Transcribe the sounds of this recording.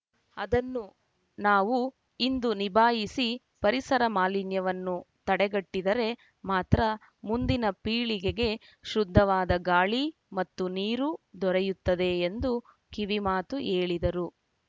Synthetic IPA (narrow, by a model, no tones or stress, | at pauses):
ɐd̪ɐnːu | naːʋu | ind̪unibʱaːjisi | pɐɾisɐɾɐmaːlinjɐʋɐnːu | t̪ɐɽɛɡɐʈːid̪ɐɾe̞ | maːt̪ɾɐ | mund̪inɐpiːɭiɡeɡe̞ | ʃɾud̪ʱːɐʋaːd̪ɐɡaːɭi | mɐt̪ːuniːɾud̪ɔɾɛjut̪ːɐd̪e̞ːnd̪u | kiʋimaːt̪uʔeːɭid̪ɐɾu